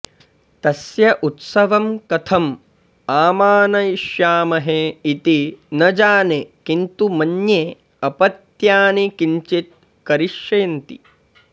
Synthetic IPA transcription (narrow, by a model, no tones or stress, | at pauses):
t̪ɐsjɐʔut̪sɐʋɐmkɐt̪ʰɐm | aːmaːnɐiʃjaːmɐɦeit̪inɐd͡ʒaːnekint̪umɐnjeː | ɐpɐt̪jaːnikiɲt͡ʃit̪̚ | kɐɾiʃjɐjɐnt̪ḭ